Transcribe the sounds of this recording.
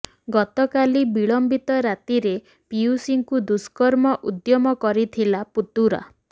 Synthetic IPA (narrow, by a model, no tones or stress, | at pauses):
ɡɔt̪ɔkalibiɭɔmbit̪ɔɾat̪iɾe | piusiŋkud̪uskɔɾmɔʔud̪jɔmɔkɔɾit̪ʰilaput̪uɾa̰